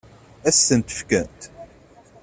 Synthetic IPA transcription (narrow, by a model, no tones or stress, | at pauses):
æsːənt̪ə̥fkænt̪